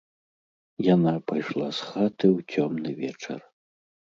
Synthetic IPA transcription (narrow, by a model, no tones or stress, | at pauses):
janapajʂlˠasxat̪ɨwt͡sʲɔmnɨvʲɛt͡ʂɐ̰r